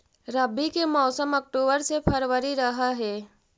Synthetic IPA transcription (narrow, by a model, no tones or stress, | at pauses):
ɾɐbikemɔːsəmɔk̚ʈoːbəɾsepʰɐɾʋəɾiɾɐɦaɦɛː